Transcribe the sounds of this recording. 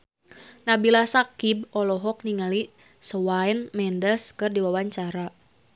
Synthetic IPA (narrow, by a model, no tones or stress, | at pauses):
nabilasakibɔlɔɦɔk̚niŋali | səwajnmɛndəskɨrdiwawaɲt͡ʃaɾa